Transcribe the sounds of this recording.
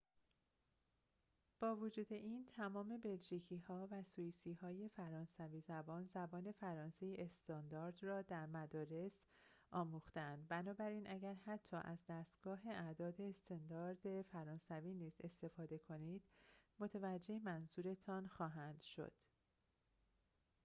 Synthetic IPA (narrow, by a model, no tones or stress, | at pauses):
b̥ɒːvod͡ʒuːd̪e̞ʔiːnt̪ʰæmɒːme̞be̞lʒiːcʰiːhɒːvæsuiːsiːhɒːje̞fæɾɒːnsæviːzæbɒːnzæbɒːne̞fæɾɒːnse̞jeʔest̪ɒːnd̪ɒːɾd̪rɒːd̪æɾmæd̪ɒːɾe̞s | ʔɒːmuːxt̪eænd̪̚bænɒːbæɾiːnʔæɟæɾhæt̪ʰːɒːʔæzd̪æst̪ɡ̥ɒːɦe̞ʔæd̪ɒːd̪e̞ːst̪ɒnd̪ɒːɾd̪e̞fæɾɒːnsæviːniːze̞st̪e̞fɒːd̪e̞kʰo̞niːd̪̥mo̞t̪ʰevæd͡ʒːe̞emænzuːɾe̞t̪ʰɒnxɒːɦænd̪̥ʃo̞̰d̪̥